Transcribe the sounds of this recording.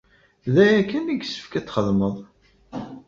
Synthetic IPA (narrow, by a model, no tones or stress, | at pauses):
ðæjækːəniɡsə̥fkæt͡sːχəðməðˤ